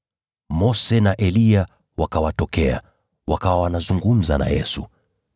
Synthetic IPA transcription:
mɔsɛnaʔɛlia | wakawatɔkɛa̰ | wakawawanazuŋɡum̩za̰na̰jɛ̰su

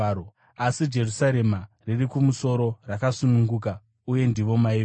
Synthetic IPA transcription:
o | asid͡ʒe̞rusaɾe̞maririkumuso̞ɾo̞rakasunuŋɡuːka | uje̞ndiʋo̞mai

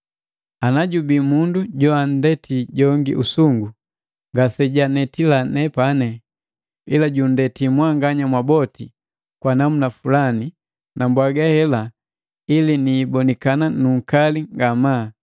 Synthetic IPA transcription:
anaɟubimunduɟɔan̩dɛtʰiɟɔŋɡḭʔusuŋɡu | ŋɡasɛɟanɛtilanɛpanɛ | ilaɟun̩dɛtimwaŋɡaɲamwabɔti | kwanamunafulani | nʔambwaɡahɛla | iliniːbɔnikananuŋ̩kaliŋɡama

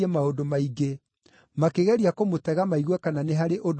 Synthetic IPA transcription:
ɛmaodomaiɡe | makeɣɛɾiakomotɛɣamaiɣwɛkananeɦaɾeʔod

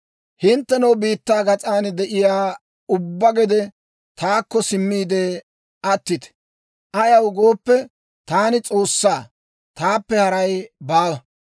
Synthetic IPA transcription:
hɪnt̪ːɛnɐwbiːt̪ːaːɡɐt͡sʼaːnd̪ɛʔɪjaː | ʊbːɐɡɛd̪ɛ | t̪aːkːɔsɪmːiːd̪ɛ | ʔɐt̪ːɪt̪ɛ̥ | ʔɐjɐwɡo̞ːpːɛ | t̪aːnɪt͡sʼo̞ːsːaː | t̪aːpːɛhɐɾɐjbaːwɐ

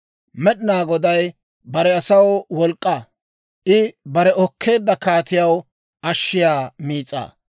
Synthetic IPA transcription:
mɛɗɪnaːɡɔd̪ɐj | bɐɾɛɐsɐwwɔlkʼːɐ | ʔɪbɐɾɛɔkʰːe̞ːd̪ːɐkaːt̪ɪjɐw | ɐʃːɪjaːmiːt͡sʼːa̰ː

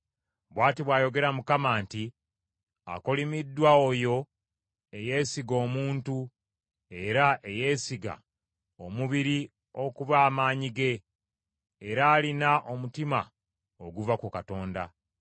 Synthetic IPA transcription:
βwaːtiβwaːjo̞ɡe̞ɾamukamaːnti | a̰ko̞limidːwaojo̞ | eje̞ːsiɡo̞ːmuːntu | e̞ɾaʔe̞je̞ːsiɡa̰ | o̞muβiɾi | o̞kuβaːmaːɲiɡe̞ | ɾaːlinaʔo̞mutima | oɡuvakukato̞ːnda̰

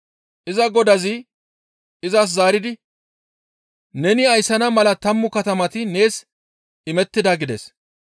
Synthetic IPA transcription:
ʔɪzɐɡɔd̪ɐzɪ | ɪzɐs̬zaːɾɪd̪ɪ | nɛnɪɐjsɐnɐmɐlɐt̪ɐmːʊkɐt̪ɐmɐt̪ɪne̞ːs | ɪmɛt̪ːɪd̪ɐɡɪd̪ɛ̰s

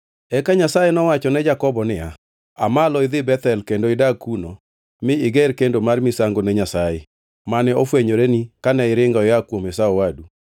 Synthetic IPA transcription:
ɛkaɲasajɛnɔwat͡ʃɔnɛd͡ʒakɔbɔnɪa | a̰malɔɪðɪbɛt̪ɛlkendoɪdakuno | mɪɪɡɛɾkendomarmɪsaŋɡonɛɲasajɛ | manɛofweɲoɾenikanɛɪɾɪŋɡɔɪakwomɛsaɔwadu

